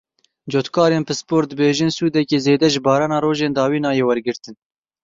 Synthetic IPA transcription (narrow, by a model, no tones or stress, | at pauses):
d͡ʒoːt̪kʰɑːɾeːnpɨspoːɾd̪ɨbeːʒɨnsuːd̪ɛkeːzeːd̪ɛʒɨbɑːɾɑːnɑːɾoːʒeːnd̪ɑːwiːnɑːjeːwɛɾɡɨɾt̪ɨn